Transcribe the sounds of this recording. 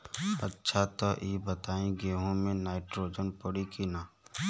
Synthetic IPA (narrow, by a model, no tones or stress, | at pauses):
ɐ̰tːʃʰat̪ɔʔiːbət̪aːẽɡeːɦõmẽnaːɪʈɾoːd͡ʒənpəɽikinaː